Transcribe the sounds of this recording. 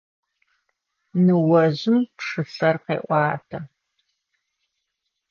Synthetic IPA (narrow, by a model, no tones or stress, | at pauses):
nɨwɐʑɪmpʂɨfɐrqḛːʔʷɑːtʰɐ